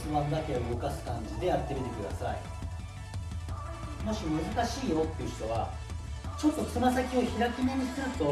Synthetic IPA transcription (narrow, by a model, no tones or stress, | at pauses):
sɨmand̪akeaɯɡo̞kasɨ̥kãɲ̟d͡ʑid̪e̞aɾɯt̪emit̪e̞kɯ̟d̪a̰sa̰ḭ | mo̞ɕimɯ̟zɨkaɕiːjo̞t̪ːe̞iɯ̟çi̥t̪o̞βa̰ | t͡ɕo̞t̪ːo̞sɨmasakʲio̞çiɾakʲimeɲ̟isɨɾɯ̟t̪o̞